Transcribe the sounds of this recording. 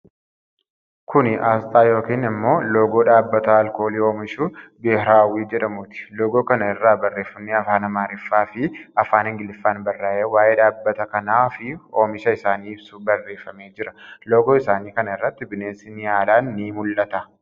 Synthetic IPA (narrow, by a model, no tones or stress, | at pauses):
kʊnɪʔaːst̪ʼaːjo̞ːkiːnɪmːo̞ːloːɡo̞ːᶑaːbːɐt̪ɐːlko̞ːliːo̞ːmɪʃuːbehɾaːwiːd͡ʒɛᶑɐmʊt̪ɪ̥loːɡo̞ːkɐnɐɪrːaːbɐrːe̞ːfːɐmneɐfaːnɐmaːɾɪfːaːfɪɐfaːnhɪŋɡɪlɪfːaːnbɐrːaːʔeːwaːjeːᶑaːbːɐt̪ɐkɐnaːfɪo̞ːmɪʃɐɪsaːniːɪbsubɐrːe̞ːfːɐme̞ːd͡ʒɪɾɐloːɡoːɪsaːniːkɐnɐɪrːɐt̪ːɪbɪneːsɪnɪaːlaːnːiːmʊlʔɐt̪ɐ